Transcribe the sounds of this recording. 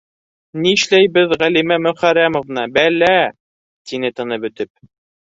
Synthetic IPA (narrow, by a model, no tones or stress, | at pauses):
niɘʃlæjβɘðʁælimæmɵ̆χæɾæmŏvnɑbælæ | t̪inɘt̪ɤ̆nɤbɵ̆t̪ɘp̚